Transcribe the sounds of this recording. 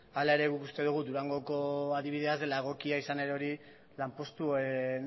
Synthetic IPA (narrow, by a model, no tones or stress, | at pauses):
alae̞ɾe̞ɣukust̪e̞ðuɣ̞ud̪uɾaŋɡo̞ko̞aðiβ̞ið̞e̞azd̪e̞laɣ̞o̞kiaisane̞ɾeo̞ɾi | lampo̞st̪ue